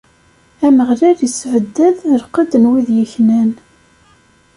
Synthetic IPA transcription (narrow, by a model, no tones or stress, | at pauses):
æməʁlæɾjisʕəd̪ːæðːəɾqɑd̪ənwiðjəçnæn